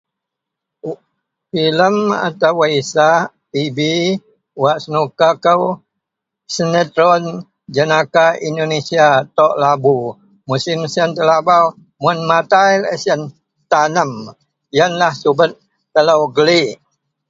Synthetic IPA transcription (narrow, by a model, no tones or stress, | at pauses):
filəma̰t̪awəisa | ibi | waʔsənukakəw | sənət̪ɾɔn | d͡ʒənakaindonesiat̪ɔʔlabu | musimsənt̪əlaba | mʊnmat̪ailə̰sən | t̪anəm | jənlahsubət̪̚ | t̪ələwɡəliʔ